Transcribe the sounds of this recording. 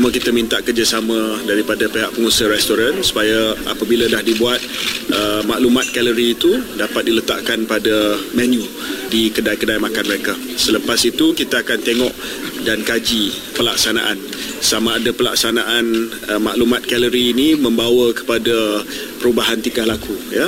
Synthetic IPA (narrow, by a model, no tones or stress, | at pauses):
umakit̪əmint̪aʔkərd͡ʒasamãdaɾipadapeɦaʔpəŋusəhɾɛst̪oɾansu̥pajaa̰pabiladahdibuat̪̚ʔəmaʔlumat̪̚kɛləɾiːt̪udapat̪̚dilət̪a̰ʔkanpadamɛnju | dikədajkədajmakanməɾeka | sələpasit̪ukit̪aːkant̪eŋɔʔ | dankad͡ʒipəla̰k̚sana̰ʔan | samãːdapəla̰ksanaʔan | əma̰ʔlumat̪̚kɛləɾiːnimə̃mbawəkə̥pada | pəɾubaɦant̪ikahlakʰuja